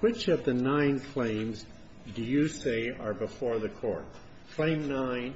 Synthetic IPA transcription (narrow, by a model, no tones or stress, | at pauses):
wɪt͡ʃʌvðɨnãɪ̃nkʰl̥ẽɪ̃mz | dɨjɨseɪə˞bɨfɔɹðɨkʰɔ̰ɹt̚ | kʰl̥ẽɪ̃mnãɪ̃n